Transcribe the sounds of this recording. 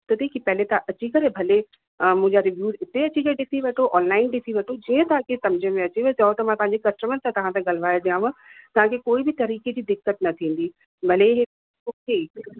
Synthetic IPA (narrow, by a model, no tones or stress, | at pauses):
t̪ɐt̪ʰiːkipɐɦlet̪ɐʔɐt͡ɕikɐɾebʱɐle | mʊ̃ɦɪ̃ɲd͡ʑaɾɪʋjuːɾɪt̪eɐt͡ɕikɐɾeɗɪt̪ʰiʋɐʈʰoʔɔːnlaːɪnɖɪt̪ʰiʋɐʈʰod͡ʑiːə̃t̪ɐʋãkʰesɐ̃md͡ʑəmẽɐt͡ɕiʋt͡ɕɐɦot̪ɐmãt̪ɐɦãɲd͡ʑekɐsʈəmənt̪ãt̪ɐʋ̤ãt̪ẽɡɐlʋaːjod̪iãʋɐ̃t̪ɐʋ̤ãkʰekoːibɪt̪ɐɾiːked͡ʑiːd̪ɪkːət̪nɐt̪ʰĩːn̆d̪i | bʱɐleɦe | okʰeː